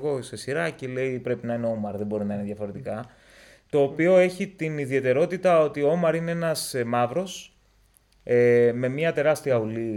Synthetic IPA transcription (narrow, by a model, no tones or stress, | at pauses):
ɣo̞se̞siɾɐcele̞ipɾe̞pinɐine̞o̞mɐɾðembo̞ɾinɐineðjʝɐfo̞ɾe̞t̪ikɐ | t̪o̞ːpio̞e̞çit̪iniðie̞t̪e̞ɾo̞t̪it̪ɐo̞t̪ioomɐɾine̞e̞nɐsmɐvɾo̞s | eme̞mɲɐt̪e̞ɾɐst̪iɐuli